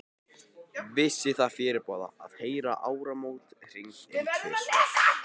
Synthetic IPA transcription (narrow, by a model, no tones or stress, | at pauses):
vɪsːɪθaðfɪːɾɪɾpɔːða̰a̰ðheːjɾa̰ʔaːwɾamoːwt̪r̥iŋk